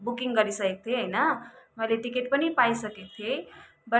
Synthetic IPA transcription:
bukiŋɡʌɾisʌkek̚t̪ʰeɦəjnʌmʌleʈikeʈpʌnipajsʌket̪ʰje | bʌ

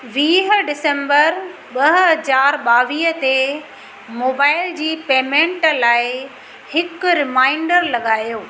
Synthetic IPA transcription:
ʋiːɦ̆ɖɪsə̃mbəɾ | ɓɐɦɦɐd͡ʑaːɾɓaːʋiːɦət̪e | moːbaːɪld͡ʑiːpeːmẽɳʈlaːɪ | hɪkɾɪmaːɪɳɖəɾlɐɠaːjoː

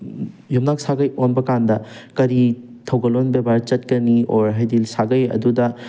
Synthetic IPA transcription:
jumnak̚saɡɐjonbɐkandɐkɐɾitʰɐwɡɐlonbebaɾt͡ʃɐt̚kɐnioɾɦajdilsaɡɐjɐ̰dudɐ

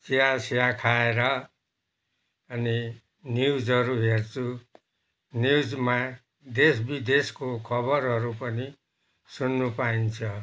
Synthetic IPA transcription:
siasijakʰaeɾʌ | ʌni | njud͡zɦʌɾuɦert͡sʰu | njud͡zma | d̪esbid̪eskokʰʌbʌɾɦʌɾupʌni | sunːupaint͡sʰʌ

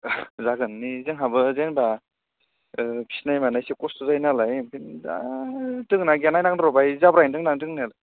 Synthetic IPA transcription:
zaɡɯnːizɯŋɦabɯzenba | pʰi̥snajmanajsekɔstuzajnalajpʰinda̰tɯŋnaɡanajnaŋdɯɾɔbajzabɾajndɯŋnaŋtɯŋnalaj

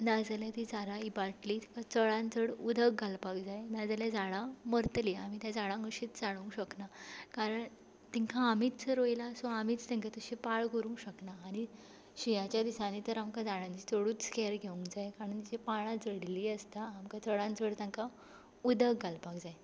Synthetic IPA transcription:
nad͡zaljat̪id͡zaɾaibaʈliːt̪ĩ̥ŋkʰat͡səɭãnt͡səɽud̪ʱəɡɡʱalpakd͡zajnad͡zaljad͡zaɭaməɾt̪liam̤it̪jad͡zaɭaŋəɕiːt̪t͡saɽ̃ũɕəknakaɾəɳ | t̪iŋkʰaːmit̪t͡səɾojlasoamiːt͡st̪ẽŋkat̪əɕipaɭkəɾũːɕəknaːɽ̃i | ɕijãt͡ɕjad̪isanit̪əɾamkad͡zaɽãɲt͡ɕit̪əɽuːt͡skeɾɡʱeũŋkd͡zajkaɾənd͡ʑepaɭ̃ãd͡zəɽliːəst̪aːmkat͡səɭãnd͡zəɽt̪ãŋka | ud̪ʱəɡɡʱalpakd͡zaj

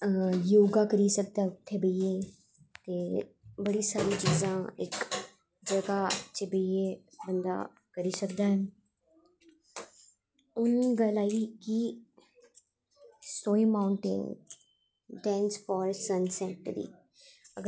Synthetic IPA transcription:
joːɡãːkəɾiːsək̚d̪aːʊt̪ʰːeːbəieː | t̪eːbəɽiːsaːɾĩːt͡ʃiːzãːɪ̰k | d͡ʒəɡaːt͡ʃebəieː | bənd̪a̰ː | kəɾiːsəkd̪aːɛː | ʊniɡəlaːiːkɪ | soːiːmaːʊɳʈɪ̰n | ɖɛ̃ːnspɔːɾsənsɛ̃ːʈd̪ḭː | əɡ

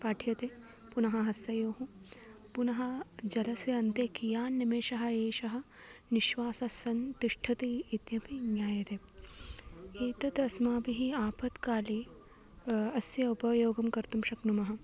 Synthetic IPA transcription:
paːʈʰjɐt̪eː | punɐɦɐɦɐsɐjoːɦũ | punɐɦɐ̆d͡ʒɐlɐseɐnt̪eːkijaːnːemeːʃɐɦɐ̆eːʃɐɦɐ̆ | niʃʋaːsɐsɐnt̪iʃʈʰɐt̪iːt̪jɐpinjaːjɐt̪e | eːt̪ɐt̪ɐsmaːbiɦiaːpʰɐt̪kaːli | ɐsjɐupɐjoːɡɐmkɐɾt̪umʃɐknumɐɦɐ̆

